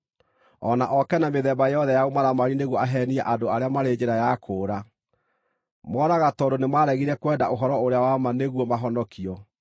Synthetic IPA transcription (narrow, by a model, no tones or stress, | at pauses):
ɔnaʔɔkɛnameðɛbajejɔðɛjaomaðamaɾineɣwɔaɦɛniɛʔadoaɾeamaɾed͡ʒeɾajakʰoːɾa | mɔɾaɣatɔɾonemwaɾɛɣiɾɛkwɛːdaʔoɦɔɾɔoɾeawamaneɣwɔmaɦɔnɔkiɔ